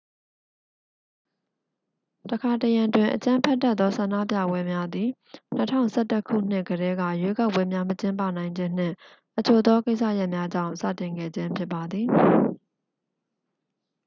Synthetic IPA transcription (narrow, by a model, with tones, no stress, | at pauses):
təkʰa˨təjã˨twɪ̃˨ʔət͡ɕã˦mpʰɛ˦tːɛ˦t̪ːɔ˦sã˨nda̰˦˨pja̰˦˨bwɛ˦mja˦d̪i˨ | n̥ətʰã̰˦˨ʊ̃sɛ˦˨tə˦kʰṵ˦˨n̥ɪ˦˨ʔɡəɾɛ˦ɡa̰˦˨jwe˦ka˦˨ʊpːwɛ˦mja˦mət͡ɕɪ̃˦mpä̰˦˨nã˨ɪ̃ɲd͡ʑɪ̃˦n̥ɪ̰̃˦˨ | ʔət͡ɕʰo˨d̪ɔ˦ke˦ɪʔsä̰˦˨ja˦ʔmja˦d͡ʑã̰˦˨ʊ̃sa̰˦˨tɪ̃˨ŋɡɛ̰˦˨d͡ʑɪ̃˦mpʰjɪ˦pːa˨d̪ði˨